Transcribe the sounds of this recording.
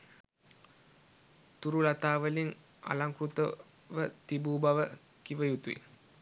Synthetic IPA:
t̪uɾulat̪aːʋəliŋ | a̰laŋkrut̪ə | ʋət̪ibuːbaʋə | kiʋəjut̪uḭ

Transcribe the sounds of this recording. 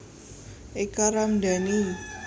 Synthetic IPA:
ʔekaɾamda̤ni

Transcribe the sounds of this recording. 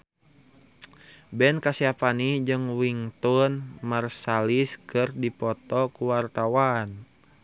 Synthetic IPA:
bɛnkasiapanid͡ʒɨŋwiŋt̪unmarsaliskɨrdipɔt̪ɔkuwart̪awan

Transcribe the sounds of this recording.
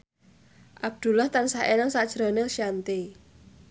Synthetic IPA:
ʔab̚d̪̥ṳlaht̪ansaʔenaŋsad̥ʒ̥ɾɔneʃiant̪e

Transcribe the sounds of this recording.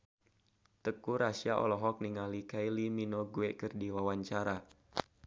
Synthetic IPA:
t̪əkuɾasiaʔɔ̰lɔɦɔk̚niŋalikailiminɔɡuekɨrdiwawaɲt͡ʃaɾa

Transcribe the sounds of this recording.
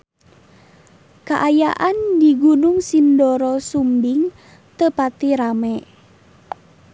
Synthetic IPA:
kaʔajaʔandiɡunʊŋsindɔɾɔsumbiŋ | t̪əpat̪iɾamɛ

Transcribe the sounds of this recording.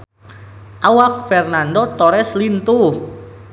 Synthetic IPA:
ʔawak̚fɛrnandot̪ɔɾɛslint̪u

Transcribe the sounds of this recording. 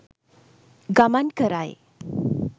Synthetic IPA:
ɡamankəɾaj

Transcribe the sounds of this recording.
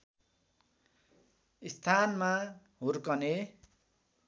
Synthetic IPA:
ist̪ʰanma | ɦurkʌne

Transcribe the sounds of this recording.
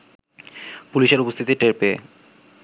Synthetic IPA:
puliʃeɾupost̪ʰit̪iʈeɾpee

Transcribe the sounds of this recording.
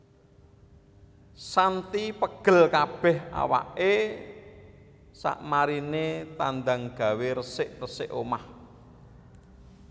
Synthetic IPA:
sant̪ipəɡ̥ə̤lkab̥ɛ̤ha̰wa̰ʔe | sa̰ʔmaɾinet̪and̪aŋɡ̥a̤weɾəsɪʔrəsɪʔomah

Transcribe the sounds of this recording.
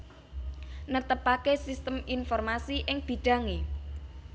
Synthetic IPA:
nət̪əpakesist̪əminfɔrmasiʔɪŋb̥i̤ɖ̥ä̤ŋe

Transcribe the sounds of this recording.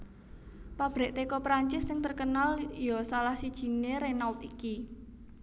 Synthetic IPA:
pab̥ɾɛ̤ʔt̪ekɔpɾaɲt͡ʃɪssɪŋt̪ərkənaljɔsalahsid̥ʒ̥i̤neɾenaʊt̪iki

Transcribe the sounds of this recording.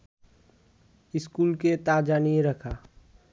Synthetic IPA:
ɪskuːlket̪aːd͡ʒaːnieɾəkʰaː

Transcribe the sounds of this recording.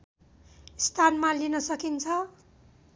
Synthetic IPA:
st̪ʰanmalinʌsʌkint͡sʰʌ

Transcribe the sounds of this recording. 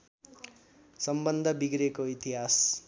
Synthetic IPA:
sʌmbʌnd̪ʱʌbiɡɾekoit̪iɦas

